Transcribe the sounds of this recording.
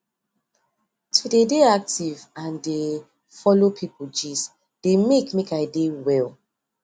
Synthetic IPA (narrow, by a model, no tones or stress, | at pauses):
tʰudedeak̚tivãnde | fɔlopʰipʰuld͡ʒis | d̥emekmekaɪdewɛl